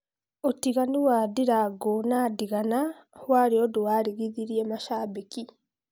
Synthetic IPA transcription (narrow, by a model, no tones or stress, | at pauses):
otiɣaniwaːdiɾaɡonaːdiɣanawaːɾioduwaːɾiɣiðiɾiemaʃaːbiki